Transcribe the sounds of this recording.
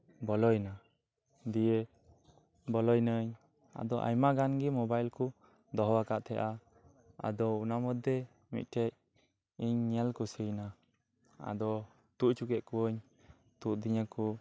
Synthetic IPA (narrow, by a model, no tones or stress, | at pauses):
bɔlɔjna | d̪ijɛ | bɔlɔjnəɲ | a̰d̪ɔʔa̰jmaɡanɡimɔbajlku | d̪ɔɦɔwakaʔt̪ʰɛʔa | a̰d̪ɔunamɔd̪ːɛ | mḭt̪̚ʈʰɛc̚ | iɲɲɛlkusəjna | a̰d̪ɔ | t̪uʔt͡ʃukɛʔ̪̚kuwəɲ | t̪uʔ̚d̪iɲəku